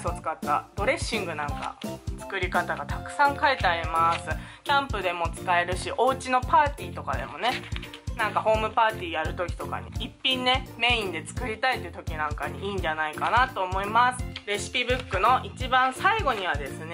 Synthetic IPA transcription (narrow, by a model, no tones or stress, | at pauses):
sot͡sɨ̥kat̪ːa̰d̪̥o̞ɾe̞ɕːĩŋɡɯ̟nãŋka̰t͡sɨ̥kɯ̟ɾʲikat̪aɡat̪akɯ̟̥sãŋkaet̪e̞aɾʲimasɨkʲãmpɯd̪e̞mo̞t͡sɨ̥kae̞ɾɯ̟ɕiʔo̞ːt͡ɕino̞paːt̪ʲiːt̪o̞kad̪e̞̰mo̞ne̞ | nãŋkaho̞ːmɯ̟paːt̪ʲiːjaɾɯ̟t̪o̞kʲi̥t̪o̞ka̰ɲ̟ḭipʲːĩnːe̞mẽ̞ĩnd̪e̞t͡sɨ̥kɯ̟ɾʲit̪ait̪ːeɯ̟t̪o̞kʲinãŋkaɲ̟iiːɲ̟d͡ʑanaikanat̪o̞ːmo̞imasɨ̥ɾe̞ɕi̥pʲibɯ̟kːɯ̟no̞ʔit͡ɕibãɰ̃saiɡo̞ɲ̟iβ̞ad̪e̞sɨne